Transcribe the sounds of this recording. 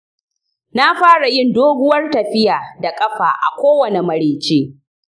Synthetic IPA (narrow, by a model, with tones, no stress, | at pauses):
na˦ɸaː˦ɽa˨jɪ˦ndoː˦ɡʷʊ˦wɐ˦rtɐ˨ɸɪ˦jaː˨da˨kʼɐ˦ɸaː˨ʔa̰˨kʷoː˦wɐ˨ne˨mɐ˨ɾeː˨t͡ʃeː˦